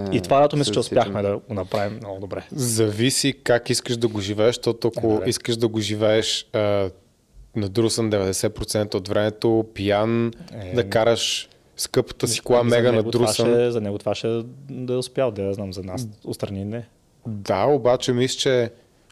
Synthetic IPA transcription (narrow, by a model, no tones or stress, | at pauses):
it̪ovakɛt̪ʊmislit͡ʃɛʊspjaxmɛd̪ɐɡonɐpɾavimnɔɡʊd̪obɾɛzɐvisikakiskəʃd̪ɐɡoʒivɛɛʃʃt̪ɔt̪oɐkoiskəʃd̪ɐɡoʒivɛɛʃə | nɐd̪ɾusənd̪ɛvɛd̪ɛsɛpɾot̪sɛnt̪əot̪vɾɛmɛt̪opijand̪ɐkaɾəʃ | skɤpə̥t̪əsi̥koamɛɡənɐɡd̪ɾusɛzɐnɛɡʊt̪vaʃɛd̪ɐɛʊspʲjalˠd̪ɛɐznamzɐnasʊt̪st̪ɾɐninɛ | d̪aobat͡ʃɛmislt͡ʃɛ